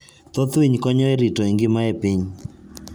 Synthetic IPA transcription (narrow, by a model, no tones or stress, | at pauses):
t̪ɔt̪wiɲkɔɲɔeɾitɔiŋɡɪmaepiɲ